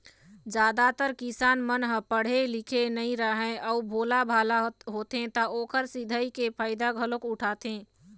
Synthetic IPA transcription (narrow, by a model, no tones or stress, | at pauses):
d͡ʒad̪at̪əɾkisaːnmənɦə̃pəɽ̤elikʰenəiɾəɦɛ̃ʔəubʱolabʱalaɦot̪ɦẽt̪əokəɾsid̪ʱəjkepʰaːɪd̪aɡʱəlokuʈʰat̪ẽ